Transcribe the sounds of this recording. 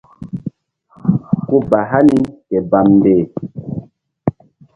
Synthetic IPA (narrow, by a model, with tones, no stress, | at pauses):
ku˦ba˨ɦa˦ni˦kɛ˨ba˨m˨beː˨